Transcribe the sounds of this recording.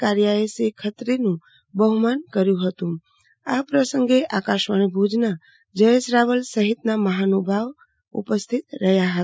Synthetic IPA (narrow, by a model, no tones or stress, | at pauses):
kaɾjaesekʰət̪ɾenũ | bəɦumankəɾjuɦət̪um | apɾəsə̃ŋɡeʔakaʃmanibʱud͡ʒna | d͡ʒəjesɾaʋəlsəɦit̪naməɦanubʱaʋ | ṵpəst̪ʰit̪ɾəjaɦət̪